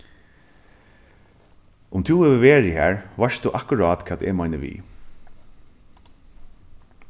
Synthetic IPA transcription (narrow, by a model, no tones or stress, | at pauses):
ʊmt̪ʰuɛʋəʋeːɹɪhæ̰ːɹʋaʂst̪uʔakʊɹaːt̪kʰɛːt̪ɛmaɪnəʋḭː